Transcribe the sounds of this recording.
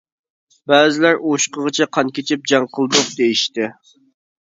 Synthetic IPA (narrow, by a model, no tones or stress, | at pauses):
bæːzɪlæɾoʃqəʁət͡ʃʰɛqʰɑnkʲʰet͡ʃʰɪp̚d͡ʒɑŋqʰəlˠd̪ʊq̚d̪ejiʃt̪ɪ